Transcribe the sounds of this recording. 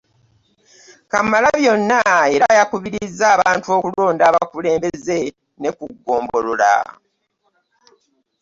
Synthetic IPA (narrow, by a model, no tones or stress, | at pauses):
kamalaβjo̞nːae̞ɾajakuβiɾizːaːβaːntuo̞ːkulo̞ːndaːβakule̞ːmbe̞ze̞ | ne̞kuɡːo̞ːmbo̞lola̰